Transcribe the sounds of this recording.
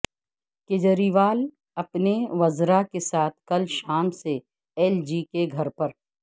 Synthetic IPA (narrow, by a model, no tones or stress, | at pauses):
kɪd͡ʒəɾiʋaːl | ɐpneʋɐzɾakesaːt̪̚ʰkɐlʃaːmse | ɛːld͡ʒiːkeɡʱɐɾpɐɾ